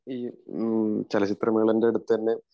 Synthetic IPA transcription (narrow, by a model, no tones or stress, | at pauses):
iː | t͡ɕɐlɐt͡ɕit̪rɐmɐɣɐɭendeɐɽut̪ːɐnːe